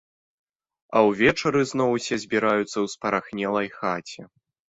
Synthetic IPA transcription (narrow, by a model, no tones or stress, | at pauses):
ɐwvʲɛt͡ʂɐɾɨznɔwsʲɛzʲbʲiɾajut̪sːɐwspɐɾaxnʲɛlˠɐjxat͡sʲɛ